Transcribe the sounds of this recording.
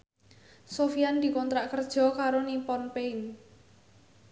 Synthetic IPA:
sofijand̪̥i̤kɔnt̪ɾaʔkərd̥ʒ̥ɔ̤kaɾonimpɔnpein

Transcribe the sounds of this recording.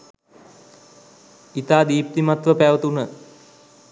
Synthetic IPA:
it̪aːd̪iːp̚t̪imat̪ʋəpæʋət̪unə

